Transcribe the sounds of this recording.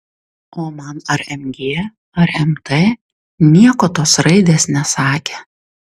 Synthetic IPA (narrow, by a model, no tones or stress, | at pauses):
oːmɐnɐɾɛmʲɡʲeː | ɐɾɛmt̪ʰeː | nʲiɛkoːt̪oːsɾɐɪd̪ʲeːsnʲɛsɑːkʲeː